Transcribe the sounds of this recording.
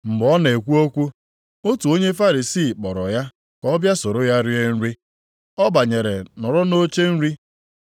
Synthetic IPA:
m̩˨ɡ͡bɔ˦ne˨kʷu˦o˦kʷu˦ | o˦tu˨o˦ɲe˦fa˦ɾi˨siː˦˨k͡pɔ˨ɾɔ̰˨ja˦ | kɔ˦bja˦so˨ɾo˦ja˦ɾɪ˦e˦n̩˦ɾi˦ | ɔ˦ba˨ɲe˨ɾḛ˨nɔ˨ɾɔ˦no˦t͡ʃe˦n̩˦ɾi˦

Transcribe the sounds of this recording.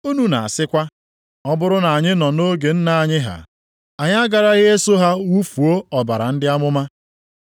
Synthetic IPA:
u˦nu˨na̰˨a˨sɪ˦kʷa˦ | ɔ˦bʊ˦ɾʊ˦na˨a˨ɲɪ˦nɔ˨no˦ɡe˨n̩˦na˨a˨ɲɪ˦ɦa̰˨ | a˨ɲa˦ɡa˨ɾa˦ɣɪ˦e˦so˦ɦa˦wu˦fu˨o˦ɔ˨ba˨ɾa˨n̩˦dɪ˦a˦mʊ˦ma˦

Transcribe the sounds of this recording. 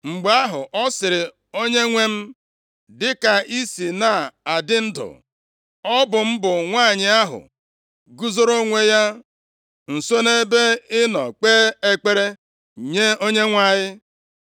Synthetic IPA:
ŋ͡m̩˨ɡ͡ba˦ɦʊ̰˨ʔɔ˦sɪ˨ɾɪ˨ | o˦ɲe˦ŋʷe˦m̩˦ | dɪ˦ka˨i˦si˨na˨a˨dɪ˦n̩˦dʊ̰˨ | ɔ˦bʊ˨m̩˦bʊ˨ŋʷa˦˨ɲɪ˨a˦ɦʊ̰˨ | ɡu˦zo˦ɾo˦ŋʷe˦ja˦ | n̩˨so˦ne˦be˦ɪ˦nɔ̰˨k͡peː˦e˦k͡pe˦ɾe˦ | ɲe˦o˦ɲe˦ŋʷa˦˨ɲɪ˦

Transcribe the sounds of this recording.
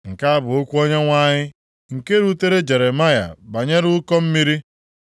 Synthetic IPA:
ŋ̩˨ka˦a˦bʊ˨o˦kʷu˦o˦ɲe˦ŋʷa˦ɲɪ˦ | ŋ̩˨ke˦ɾu˦te˦ɾe˦d͡ʒe˨ɾe˨ma˦ja̰˨ba˨ɲe˦ɾu˦kɔ˦m̩˦mi˦ɾi˦

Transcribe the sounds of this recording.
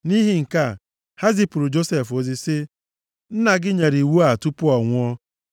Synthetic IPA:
ni˦ɦi˦ŋ̩˨ka˦˨ | ha˦zi˦pʊ˨ɾʊ˨d͡ʒo˦se˨fo˨zi˦sɪ˦ | n̩˦na˨ɡɪ˦ɲe˨ɾi˨wu˦a˨tu˦pʊ˦ɔ˨ŋʷʊ˦ɔ˦

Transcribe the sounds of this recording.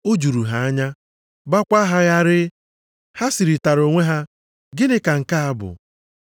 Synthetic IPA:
o˦d͡ʒu˨ɾu˨ɦa˨a˦ɲa˦ | ba˦kʷa˦ɦa˦ɣa˦ɾɪ˦ | ha˦si˨ɾi˨ta˨ɾo˨ŋʷe˦ɦa˦ | ɡɪ˦nɪ˦ka˨ŋ̩˨ka˦a˦bʊ̰˨

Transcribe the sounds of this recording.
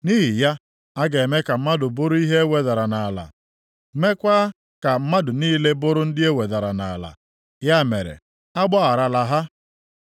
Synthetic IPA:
ni˦ɦi˨ja˦ | a˦ɡe˨e˨me˦ka˨m̩˦ma˦dʊ˨bʊ˦ɾʊ˦i˦ɦe˦e˦we˨da˨ɾa˨na˨la̰˨ | me˦kʷaː˦ | ka˨m̩˦ma˦dʊ˨niː˦le˦bʊ˦ɾʊ˦n̩˦dɪ˦e˦we˨da˨ɾa̰˨na̰˨la̰˨ | ja˦mḛ˨ɾḛ˨ | a˦ɡ͡bɔ˦a˨ɾa˨la˨ɦa˦

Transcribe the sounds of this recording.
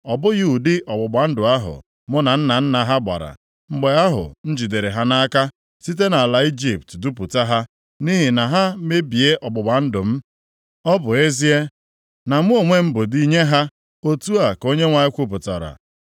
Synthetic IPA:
ɔ˨bʊ˦ɣu˦u˨dɪ˦ʔɔ˨ɡ͡bʊ˨ɡ͡ba˨n̩˦dʊ˨a˦ɦʊ̰˨ | mʊ˦na˨n̩˦na˨n̩˦na˨ɦa˦ɡ͡ba̰˨ɾa̰˨ | ŋ͡m̩˦ɡ͡be˦a˦ɦʊ̰˨n̩˦d͡ʒi˨de˨ɾe˨ɦa˦na˦ka˦ | si˦t̬e˦na˨a˨la˨i˦d͡ʒi˨p̚tdu˦pu˨ta˦ɦa˦ | ni˦ɦi˨na˨ɦa˦me˦bi˨e˦ʔɔ˨ɡ͡bʊ˨ɡ͡ba˨n̩˦dʊ˨m̩˦ | ɔ˦bʊ˨e˦zi˦e˦ | na˨m˦o˨ŋʷe˦m̩˦bʊ˨di˦ɲe˦ɦa˦ | o˦tu˦a˨ko˦ɲe˦ŋʷa˨ɪ˦kʷu˦p̬ʊ˨tɔ̰˨ɾa̰˨

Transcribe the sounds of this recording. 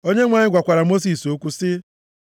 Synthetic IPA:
o˦ɲe˦ŋʷa˨ɲɪ˦ɡʷa˨kʷa˨ɾa˨mo˦s̬i˨so˦kʷu˦sɪ˦

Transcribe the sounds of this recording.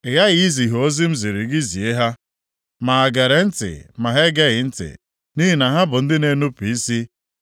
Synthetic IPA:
ɪ˨ja˦ɣi˦zi˨ɦo˦zi˦m̩˦zi˨ɾi˨ɡɪ˦zi˨e˦ɦa˦ | ma˨a˨ɡe˨ɾe˨n̩˦tɪ̰˨ma˨ɦe˦ɡe˦ɣɪ˨n̩˦tɪ̰˨ | ni˦ɦi˨na˨ɦa˦bʊ˨n̩˦dɪ˦ne˦nu˦pi˨i˦si˦

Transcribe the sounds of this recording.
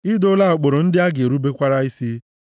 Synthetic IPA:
i˦do˦la˦o˨k͡po˨ɾo˨n̩˦dɪ˦a˦ɡe˨ɾu˦be˦kʷa˦ɾa˦i˦si˦

